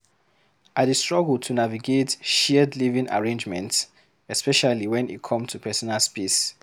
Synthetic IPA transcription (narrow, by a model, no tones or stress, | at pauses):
ʔaəstɹɔɡəltʰunaviɡetʃɛdlivĩŋʔa̰ɹẽnd͡ʒmɛ̰̃nts | ɛspɛʃaliwɛ̃nḭt̚kʰɔ̃mtʰupʰɛsɔnalspes